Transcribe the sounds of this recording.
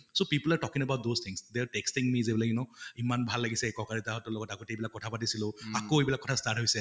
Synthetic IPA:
sopiplɛɹtɔkĩŋɛbawt̚dozt̪ʰĩŋsdɛɹtɛkstiŋmizebilakinɔimanbʱalːaɡisɛkɔkaɹitaɦɔtːɔlɔɡɔtakɔtɛejbilakːɔtʰapatisilʊakoejbilakːɔtʰastat̚ɦojsɛ

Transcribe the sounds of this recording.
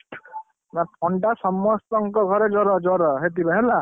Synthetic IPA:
naɔɳʈasɔmːɔst̪ɔŋkɔɡʱɔɾed͡ʒɔɾɔd͡ʒɔɾɔɦet̪ibeɦela

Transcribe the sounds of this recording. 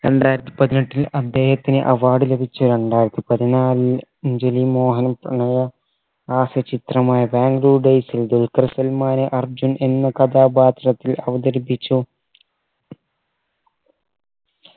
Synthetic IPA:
ɾe̞ɳɖaːjiɾɐt̪ːi̥pɐðinɐʈːilɐd̪ːe̞ːhɐt̪ːinɨʔɐʋaːɽɨle̞bʱit͡ɕːuɾe̞ɳɖaːjiɾɐt̪ːipɐðinaːlɨɲd͡ʑelimoːɦɐnpɐɳɐjɐ | aːsɐt͡ɕit̪rɐmaːjɐbaːŋɡluːɖejsild̪ulkɐɾsɐlmaːneʔɐrd͡ʑune̞nːɐkɐd̪aːbaːt̪rɐt̪ːilɐʋɐd̪ɐɾbit͡ɕːu

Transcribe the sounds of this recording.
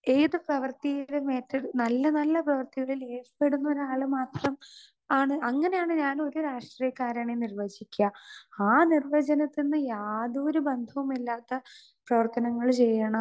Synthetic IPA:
eːðɨprɐʋɐrt̪ijiðeme̞ːtːɐɽnɐlːɐnɐlːɐprɐʋɐrt̪iɣɐɭileːfɐ̥peɽunːɐoɾaːɭɨmaːt̪rɐm | aːɳɨʔɐŋːɐne̞jaːɳɨɲaːno̞ɾuɾaːʂʈrijɐkːaːɾaːɳenirʋɐd͡ʑikʲːaaːnirʋɐd͡ʑɐnɐt̪ːinːɨjaːðuoɾubend̪ʱɐʋumilːaːt̪ːɐ | prɐʋɐrt̪ɐnɐŋːɐɭt͡ɕejːɐɳɐ

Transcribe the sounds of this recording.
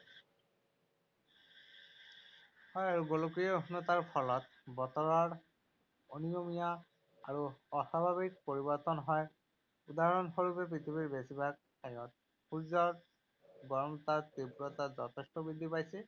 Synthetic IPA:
hɔjaɹuɡolokijeuɦnɔt̪aɹpʰɔlɔt̪ | bɔt̪ɔɹaɹ | onijomija | aɹuɔsabʱabik̚poɹibɔɹt̪ɔnɦɔj | ud̪aɦɔɔnɦoɹupep̬ɹit̪ʰibiɹbesibʱaɡ̚tajɔt̪̚ | puzɔ | ɡɔɹmt̪aɹt̪ibɹɔt̪ad͡ʑɔt̪ʰestɔbid̪ʱːipajse

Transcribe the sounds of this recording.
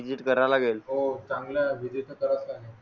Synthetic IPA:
id͡ʑiʈkəɾajlaɡelɦot͡sãŋɡljaʋid͡ʑiʈ̪əkəɾasaaɦe

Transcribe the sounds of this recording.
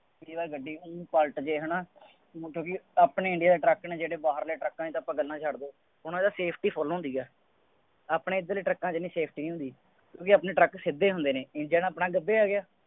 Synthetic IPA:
biːbaːɾɡəɖːiːɦʊniːpəlʈd͡ʒeːɦənãː | kjõːkɪaːpɳeːɪɳɖɪjaːd̪eːʈɾəknẽːd͡ʒeːɽeːbaːɦəɾleːʈɾəkːãːit̪õːpãːɡəlːãːt͡ʃʰaɽd̪oː | ʊnãːd̪aːseːpʰʈiːpʰɔːloːɦnd̪iːɛː | aːpɳeːɪd̪əliːʈɾəkːãːt͡ʃnĩːseːpʰʈiːnĩːʊ̃nd̪iː | kjõːkɪaːpnẽːʈɾəksɪd̪eːɦʊnd̪eːnẽːɪɖjaːnːpnãːɡəb̪ːeːaːɡɪjaː

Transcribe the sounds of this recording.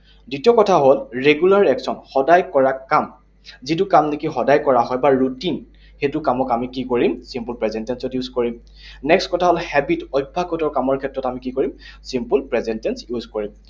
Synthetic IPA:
ditiɔkɔtʰaɦolɹeɡjulaɹɛksɔnxɔdajkɔɹakam | zit̬ʊkamnekixɔdajkɔɹaɦɔjbaɹutin | xetʊkamɔkamikikoɹimsimpulpɹɛzɛntɛnsɔtjuzkoɹim | nɛkstkɔtʰaɦolhɛbitɔjbʱakɔtɔɹkamɔɹkʰɛtɹɔtamikikoɹimsimpulpɹɛzɛntɛnsjuzkoɹim

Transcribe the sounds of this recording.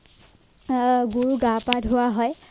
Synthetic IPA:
ɡuɹuɡapadʱɦʊwaɦɔj

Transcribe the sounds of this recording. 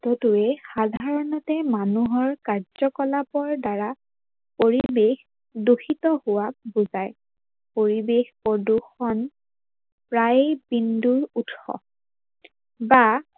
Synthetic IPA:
tɔtuɛxadʱaɹɔnɔtɛmanuɦɔɹkaɹz̥ɔkɔlapɔɹdaɹa | poɹibex | duxitɔhʊwabuzaj | poɹibexpɔduxɔn | pɹajbinduɹutxɔ̰ | ba

